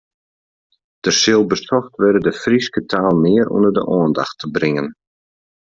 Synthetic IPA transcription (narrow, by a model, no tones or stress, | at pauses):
d̥əsɪlˠbəsɔxtʋɪdədəfriskətʰaːlˠmɪərṵndərdə̰ʔoənda̰xtʰəbrɪŋən